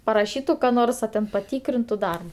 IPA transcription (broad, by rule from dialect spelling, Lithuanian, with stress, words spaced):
pɐrɐˈʃʲiːtʊ kɐ ˈnoːrs ɐ tʲɛn pɐˈtʲiːkrʲɪntʊ ˈdɐrbɐ